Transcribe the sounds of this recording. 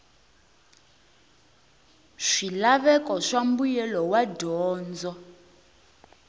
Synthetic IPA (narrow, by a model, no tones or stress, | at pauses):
ʂilaβɛkɔʂambujɛlɔwadɔːnd͡zɔ